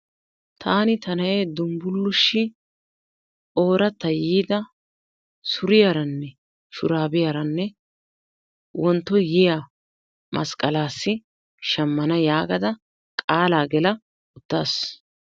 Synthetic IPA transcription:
t̪ʰaːnɪt̪ɐnɐjeːd̪ʊmbʊlːʊʃːɪ | o̞ːɾɐt̪ːɐjiːd̪ɐ | sʊɾɪjɐɾɐnːɛ | ʃʊɾaːbɪjɐɾɐnːɛ | wɔnt̪ːɔjɪja | mʔɐ̰skʼːɐlaːsːɪ | ʃɐmːɐnɐjaːɡɐd̪ɐ | kʼaːlaːɡɛlɐ | ʊd̪̥ːaːs

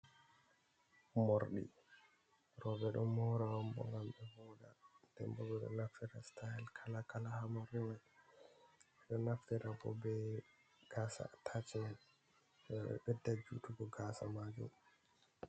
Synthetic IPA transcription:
moɾɗḭ | ɾɔbɛɗɔnmɔɾawambɔ̰ŋɡamɓɛvɔɗandɛ̰mbɔɡɔɗɔ̰naftɛɾastahɛlkʰalakalahamɔɾimaj | ɛɗɔnaftɛɾabɔ̰bɛ | ɡ̥asa̰tʰat͡ʃɛnan | ɓɛɓɛ̰ɓɛdːad͡ʒutuɡɔɡaːsa̰mad͡ʒṵm

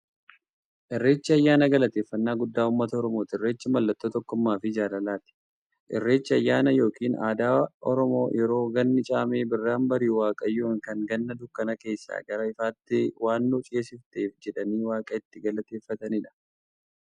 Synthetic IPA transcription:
ʔɪrːe̞ːt͡ʃːɪɐjːaːnɐɡɐlɐt̪eːfːɐnːaːɡʊd̪ːaːʊmːɐt̪ɐɔɾɔmoːt̪ɪɪrːe̞ːt͡ʃːɪmɐlːɐt̪ːoːt̪ɔkːʊmːaːfɪd͡ʒaːlɐlaːt̪ɪ̥ | ʔɪ̰rːe̞ːt͡ʃːɪɐjːaːnɐjo̞ːkiːna̰ːd̪aːɔ̰ɾɔmo̞ːjɛɾo̞ːɡɐnːɪt͡ʃʼaːme̞ːbɪrːaːmbɐɾiːwaːkʼɐjːuːŋkɐŋɡɐnːɐd̪ʊkːɐnɐke̞ːsːa̰ːɡɐɾɐɪfaːt̪ːɪwaːnːuːt͡ʃʼɪeːsɪft̪eːfd͡ʒɛᶑɐniːwaːkʼɐɪt̪ːɪɡɐlɐt̪e̞ːfːɐt̪ɐnɪᶑɐ̥

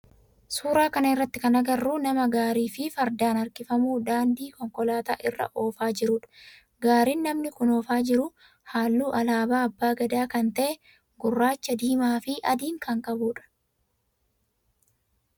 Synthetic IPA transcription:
suːɾaːkɐnɐɪrːɐt̪ːɪkɐnɐɡɐrːuːnɐmɐɡaːɾiːfɪfɐɾd̪aːnɐɾkɪfɐmuːd̪aːnd̪iːkɔŋkɔlaːt̪a̰ːʔɪrːɐ̰ʔo̞ːfaːd͡ʒɪɾʊᶑɐ̥ | ɡaːɾiːnːɐmnɪkʊno̞ːfaːd͡ʒɪɾʊ | haːlːuːʔɐlaːbaːɐbːaːɡɐd̪aːkɐnt̪ɐʔɛ | ɡʊrːaːt͡ʃːɐd̪iːmaːfɪʔɐd̪iːŋkɐŋkʼɐbuːᶑɐ̥

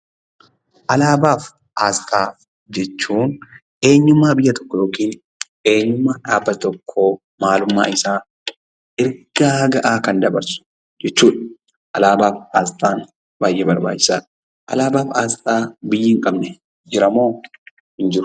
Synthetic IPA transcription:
ʔɐlaːbaːf | ʔaːst̪ʰaː | d͡ʒɛt͡ʃːuːn | ʔe̞ːɲːʊmːaːbɪjːɐt̪ɔ̥kːɔjo̞ːkiːn | e̞ːɲːʊmːaːᶑaːbːɐt̪ɔkʰːoː | maːlʊmːa̰ːɪsaː | ʔɪɾɡ̥aːɡɐʔaːkɐnd̪ɐbɐɾsʊ̥ | d͡ʒɛt͡ʃːuːᶑɐ̥ | ʔɐlaːbaːfaːst̪ʼaːn | baːjʔɛbɐɾba̰ːt͡ʃːɪ̥saːᶑ | ʔɐ̰laːbaːfaːst̪ʼaːbɪjːɪːŋkʼɐbnɛ | d͡ʒɪɾɐmo̞ː | hɪnd͡ʒɪɾʊ̥

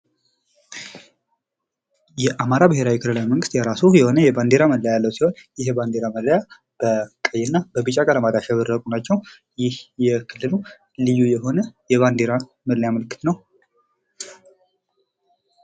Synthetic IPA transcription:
jɛʔamaɾabɨɦe̞ɾawikʰɨlɨlawiməŋɡɨst̪jɛɾasujɛho̞nəjɛband̪eɾaməd̪lːəjalːəwsiho̞njɪɦɛband̪e̞ɾaməlləja | b̥əkʼəjːɪnːabəbɨt͡ʃʼakʼələmad̪aʃaβɨɾːəkʼunat͡ʃːɛw | jɪhjɛkʰɨlːɨlu | lɨjːujɛɦo̞nəjɛβand̪eɾa | mədljaməlɨkːɨ̥t̪nəw

